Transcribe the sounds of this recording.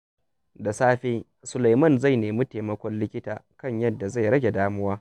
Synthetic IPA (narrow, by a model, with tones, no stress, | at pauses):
da˨saː˦ɸeː˦ | sʊ˨la˨jmɐ˦˨nza˦˨jneː˨mi˦teː˨mɐ˦kʷɔ˦nlɪ˦kʲɪ˦taː˨kɐ˦˨ɲjɐ˦dːa˨za˦˨jɽɐ˦ɡʲe˨daː˦mʊ˦waː˦